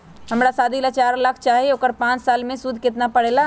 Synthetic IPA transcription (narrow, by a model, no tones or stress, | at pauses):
ɦəmɾasad̪ʱilat͡ʃaɾlakʰt͡ʃaɦiokəɾpãt͡ʃsalmẽsud̪ʱket̪napəɽela